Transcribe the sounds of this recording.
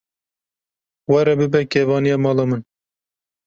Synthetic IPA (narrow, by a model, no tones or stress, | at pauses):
wɛɾɛbɨbɛkeːvɑːnijɑːmɑːlɑːmɨn